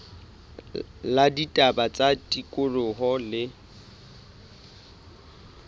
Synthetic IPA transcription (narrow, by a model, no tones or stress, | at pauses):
laditʼabat͡sʼatʼikʼʊrʊɦɔlɪ